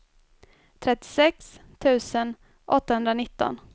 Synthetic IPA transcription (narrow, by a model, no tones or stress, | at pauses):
t̪ʰɾɛt̪ːɪ̥sɛkst̪ʰʉ̟ːsən | ʔɔt̪ːahɵnd̪ɾanɪt̪ːɔ̰n